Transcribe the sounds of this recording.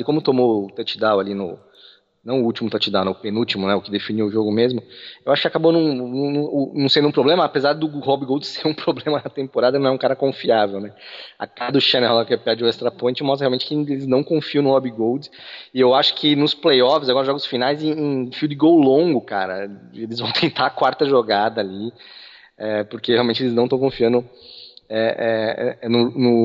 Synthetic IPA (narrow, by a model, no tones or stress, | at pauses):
ɪkõmʊt̪omowt̪ɐt͡ʃid̪awalinʊ̰ | nɐ̃w̃ʊut͡ʃimʊt̪at͡ʃid̪awnɛʊpenuwt͡ʃimʊnɛʊkɪd̪efiniwʊʒoɡʊmezmʊewaʃʊ̥kɪakabonɐ̃w̃nɐ̃nũʊnɐ̃w̃sẽd̪ʊũpɾoblẽmɐːpezaɾd̪ʊhɔbiɡowdɪsːeɾũpɾoblẽmɐnɐt̪ẽmpoɾad̪ɐnɐ̃ɛũkaɾɐkõfiavewnɛa̰kad̪ʊʃɐnɛwlakɛpad͡ʒɪʊɛst̪ɾapõt͡ʃɪmɔst̪ɾɐheawmẽt͡ʃɪ̥kɪelɪznɐ̃w̃kõfiɐ̃nʊhɔbiɡowd͡ʒɪsɪewaʃʊ̥kʰɪnʊsplejɔfɪzaɡɔɾɐʒɔɡʊsfinajzẽẽfud̪ɪɡowlõŋɡʊka̰ɾɐ̰elɪzvɐ̃w̃t̪ʰẽnt̪aakwaɾt̪ɐʒoɡad̪ɐali | ɛpoɾkeheawmẽnt͡ʃɪelɪznɐ̃w̃t̪ɐ̃kõfiɐ̃nd̪ʊ | ɛɛnʊnʊ